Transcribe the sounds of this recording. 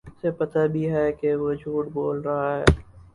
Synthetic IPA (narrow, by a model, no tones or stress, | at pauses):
sepɐt̪abʱiɦɛːkeʋod͡ʒʱuːʈboːlɾɐɦaɦɛ̰ː